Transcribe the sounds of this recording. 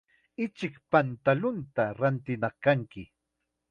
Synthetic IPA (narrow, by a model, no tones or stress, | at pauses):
ɪt͡ʃɪkpant̪alʊnt̪aɾant̪ɪnɑχkaŋkɪ